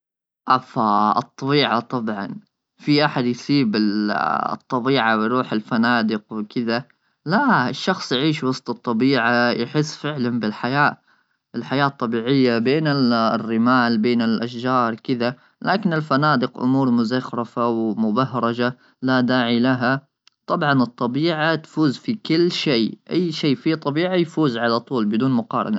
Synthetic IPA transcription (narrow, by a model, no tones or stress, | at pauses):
ʔafaɨt̪ˤːɑbiːʕat̪ˤɑbʕɑ̰n | fiʔaħad̪jsiːbɪl̰t̪ˤːɑbiːʕawjɾuːħɪlfanaːd̪ɪqwɪkɪða | laɪʃːɑxsˤjʕiːʃwɑsˤt̪ˤɨt̪ˤːɑbiːʕajħɪsːfɪʕlanbɪlħajaː | ʔɪlħajaːt̪ˤːɑbiːʕɪjːabeːnɪrːɪmaːlbeːnɪlʔaʃd͡ʒɑːɾˤkɪða | laːkɪnɪlfanaːd̪ɪqʔʊ̰muːɾˤmʊzaxɾˤɑfawmʊbahɾˤɑd͡ʒa | lad̪aːʕilaɦa | t̪ˤɑbʕɑnɨt̪ˤːɑbiːʕat̪fuːzfikɪlːʃeːʔajːʃeːfit̪ˤːɑbiːʕajfuːzʕalat̪ˤuːlbɪd̪uːnmʊqɑːɾˤɑ̰na